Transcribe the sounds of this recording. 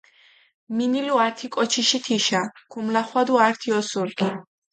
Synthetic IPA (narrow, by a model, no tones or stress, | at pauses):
miniluaɾt̪ʰikʼɔt͡ʃʰiʃit̪ʰiʃakʰumlaχwad̪uaɾt̪ʰiɔsulkʼi